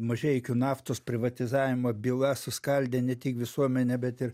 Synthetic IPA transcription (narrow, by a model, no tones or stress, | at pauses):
mɐʒʲɛɪkʲʊːnɑːft̪oːspʲɾʲɪʋɐt̪ʲɪzɑːʋʲɪmobʲilˠɐsʊskɐlʲd̪ʲeːnʲɛt̪ʲɪkʋʲɪsuɔmʲɛnʲɛbʲɛt̪ɪɾ